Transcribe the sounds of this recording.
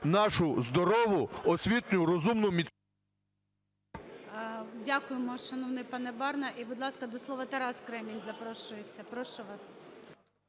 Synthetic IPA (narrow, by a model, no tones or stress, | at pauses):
nɑʃʊzd̪ɔɾɔʋʊɔsʲʋʲit̪nʲʊɾɔzumnʊmʲi | dʲakʊjemɔʃɔnɔwnɪpɑnɛbɑrnɐʔibʊd̪lˠɑskɐd̪ɔslˠɔʋɐt̪eɾɑskɾɛmʲinʲzɐpɾɔʃʊjet͡sʲːɐpɾɔʃʊʋɑs